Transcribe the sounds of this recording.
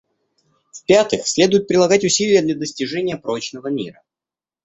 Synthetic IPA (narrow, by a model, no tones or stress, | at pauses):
fpʲat̪ɨxsʲlʲe̞d̪ʊjɪt̪̚pɾʲɪlˠɐɡatʲʊsʲilʲɪjəd̪lʲɐd̪əsʲtʲɪʐɛnʲɪjəpɾot͡ɕnəvəmʲḭɾə